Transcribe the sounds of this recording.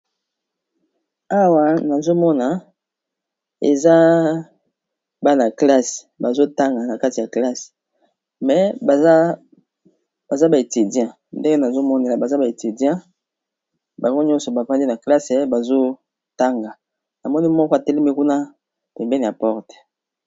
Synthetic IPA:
a˦wa˨na˨zo˦mɔ˦na˨ | ḛ˨za˦ | ba˦na˨kla˦se̥˨ba˨zo˦ta˦ŋɡa˨na˨ka˦ti˨ja˨kla˦s | mɛ˨ba˦ | ba˨za˦ba˨e˨ti˨djɛ̃˦ | nde˦ŋɡe˦na˨zo˦mɔ˦ne˦˨la˨ba˨za˦ba˨e˨ti˨djɛ̃˦ | ba˨ŋɡo˦ɲɔ̃˦nsɔ˨ba˨pa˦ndi˦na˨kla˦se˨ba˨zo˦ | ta˦ŋɡa˨ | na˨mɔ˦ni˦mɔ˦kɔ˦a˨tɛ˦le˦mi˦ku˦na˦ | pɛ˨mbɛ˦ni˨ja˨pɔ˦ʁtɛ̥˨

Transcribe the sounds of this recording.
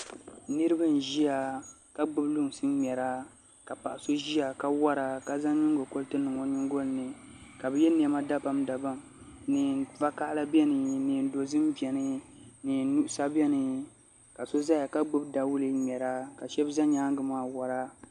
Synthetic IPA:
nɨ˦ɾɨ˦ba˦n˨ʒi˦a˨ | ka˦ɡ͡bɨ˦blu˦ŋ˨sɨ˦m˨ɛ˨ɾa˦ | ka˨pa˨ʔa˨so˦ʒi˦a˨ka˦wa˦ɾa˨ka˨za˦ɲi˦ŋ˦ɡo˨ko˦ltɨ˦nɨ˨ŋo˨ɲɪ˦ŋ˦ɡo˦lnɨ˨ | ka˨bɛ˨jɛ˦n˦ɛ˨˦ma˦da˦ba˨mda˨ba˦m | nɨ˨va˦ka˦ʔla˦bɛ˦nɨ˨nɨ˨n̩˨do˨zɨ˦m˦bɛ˨nɨ˦nɨ˨nu˦ʔʊ˦sa˦bɛ˦nɨ˨ | ka˨so˦za˦ja˨ka˦ɡ͡bɨ˦bda˨wʊ˦lɨ˦mʲɛ˨ɾa˦ka˨ʃɛ˦bza˦ɲaː˦ŋɡɨ˨maː˦wa˨ɾa˦

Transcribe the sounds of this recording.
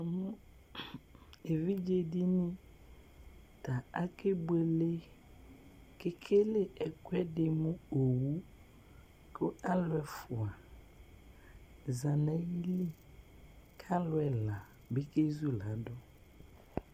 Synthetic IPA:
mũ˦ | e˨vi˦d͡ʒe˦di˦nĩ˦ | t̪a˨a˦ke˦be˨le˦ | ke˦kʰe˦le˦ʔɛ˨kwɛ˦dɪ˨mũ˦o˨wu˦ | ko˦a˦lʊ˦ɛ˨fʊ˨a˨ | za˨nã˨ji˦li˦ | kʰa˦lʊ˦ɛ˨la˨ | be˦ke˦zu˦la˨dɔ˦

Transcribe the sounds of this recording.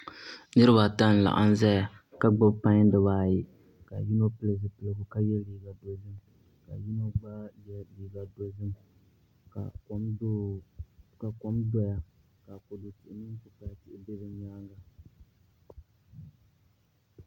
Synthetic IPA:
nɨ˦ɾɨ˦ba˨ta˦n̩˨la̰˨ʔa̰˦n˦za˦ja˨ka˦ɡ͡ba˦bpa˦ɲ˦dɨ˨βaː˨jɪ˨ | ka˨ji˦no˦pɨ˦lɨ˨ɡɨ˨pɨ˨lɨ˨ɡɨ˨ka˦jɛ˦liː˨ɡa˨do˨zɨ˦m | ka̰˨ji˦no˦ɡ͡ba˦jɛ˦liː˨ɡa˨do˨zɨ˦m | ka˨˦ | ka˨ko˦mdɔ˦ja˨ | ka˨ko˨dʊ˨tɪ˨ʔɪ˨nɨ˦ŋ˦kʊ˨pa˨a˨tɪ˦˨ʔɪ˨be˦bɨ˨ɲaː˦ŋɡa˨

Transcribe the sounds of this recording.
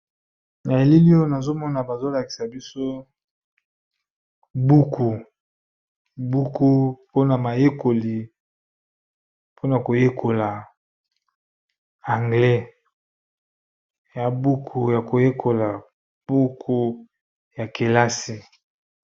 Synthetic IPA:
na˨e˨li˦li˦o˦na˨zo˦mɔ˦na˨ba˨zo˦la˨ki̥˨sa˨bi˦so˦ | bu˦kʰu˨ | bu˦ku˦po˦na˨ma˨je˦ko˨li˨ | pʰo˦na˨ko˨je˦kʰo˨la˨ | a˨ŋɡlɛ˦ | ja˨bu˦kʰu˨ja˨ko˨je˦kʰo˨la˨ | b̥u˦kʰu˦ | ja˨ke˨la˦si˨

